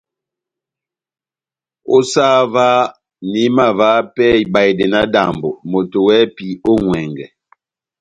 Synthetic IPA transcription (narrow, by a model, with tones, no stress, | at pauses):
o˦sa˦va˦ | ni˨˦ma˨vaː˨˦pɛ˦˨˦ba˨jde˨na˦da̰˨mbo˨mo˨to˨wɛ˦pi˨˦o˦ŋwɛ˨ŋɡɛ̰˨